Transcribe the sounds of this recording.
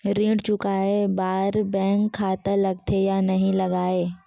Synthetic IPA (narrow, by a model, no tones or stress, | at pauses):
ɾĩːɽt͡ʃʊkaːebaːɾbɛ̃ːŋkʰːaːt̪alɐɡt̪ʰejanɐɦĩlɐɡaːeː